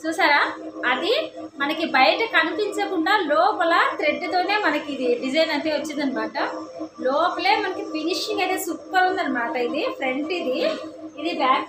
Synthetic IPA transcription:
t͡ʃuːsaːɾaː | ɐd̪i | mɐnɐkibɐjʈɐkɐnipiɲt͡ʃɐkuɳɖaːlɔːpɐlɐt̪ɾeɖːɐt̪o̞ːne̞ːmɐnɐkiːd̪iɖid͡ʒɐjnɐnt̪eːʋot͡ʃːind̪ɐnimaːʈɐlɔːpɐle̞ːmɐnɐkipiniʂiŋɡɐjt̪e̞ːsupːɐɾund̪ɐnimaːʈɐid̪ipʰɾe̞ɳʈid̪iːd̪ibaː

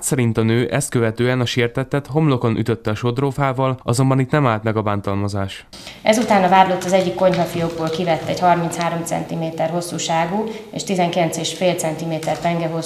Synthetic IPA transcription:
t̪sɛɾint̪ɒnøːʔɛst̪køvɛt̪øːɛnɒʃirt̪ɛt̪ːɛt̪ɦo̞mloko̞nʔy̰t̪øt̪ːɛɒʃo̞d̪roːfaːvɒlɒzo̞mbɒnit̪nɛmaːlt̪mɛɡɒbaːnt̪ɒlmɒzaːʃ | ɛzut̪aːnɒvaːrlo̞t̪ːɒzɛɟːikːo̞ɲɦɒfijoɡ̚boːlkivɛt̪ːɛɟhɒrmintshaːɾomt̪sɛ̰nt̪imeːt̪ɛrɦo̞sːuːʃaːɡuḛːʃt̪izɛŋkilɛnt̪seːʃfeːlt̪sɛnt̪imeːt̪ɛrt̪ɛŋɡɛɦo

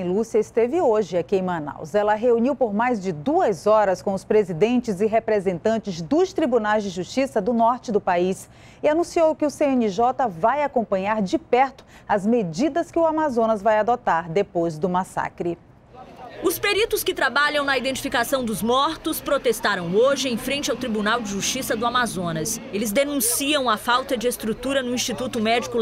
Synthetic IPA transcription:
ĩlusiɐɪst̪evɪoʒɪɐkẽmɐ̃na̰wzɛlɐɦeuniwpoɾmajzd͡ʒɪd̪uɐzɔɾɐskõw̃ʊspɾezid̪ẽnt͡ʃɪzɪɦepɾezẽnt̪ɐ̃nt͡ʃɪzd̪ʊst̪ɾibunajzd͡ʒɪʒust͡ʃisɐd̪ʊnɔɾt͡ʃɪd̪ʊpais | ɪanũsiowkɪʊseẽnɪʒɔt̪ɐvajakõpɐ̃ɲaɾd͡ʒɪpɛɾt̪ʊ̥ɐzmed͡ʒid̪ɐskɪʊamazõnɐzvajad̪ot̪aɾd̪epojzd̪ʊmasa̰kɾɪ | ʊspeɾit̪ʊskɪt̪ɾabaʎɐ̃w̃nɐid̪ẽnt͡ʃi̥fikasɐ̃w̃d̪ʊzmɔɾt̪ʊspɾot̪est̪aɾɐ̃w̃oʒɪẽj̃fɾẽnt͡ʃɪawt̪ɾibunawd͡ʒɪʒust͡ʃisɐd̪ʊamazõnɐselɪzd̪enũsiɐ̃w̃ɐfawt̪ɐd͡ʒɪest̪ɾut̪uɾɐnʊĩst͡ʃit̪ut̪ʊmɛd͡ʒikʊ

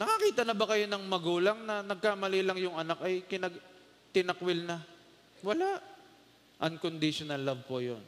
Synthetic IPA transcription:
nɐkɐkiːt̪ɐnɐbɐkɐjo̞nɐŋmɐɡuːlɐŋnɐnɐɡ̚kamɐlilɐŋjʊŋɐnakɐjkɪnɐɡ | t̪ɪnɐkwɪlna | wɐlaʔ | ʔɐŋkond̪ɪʃonɐlːavpojo̰n

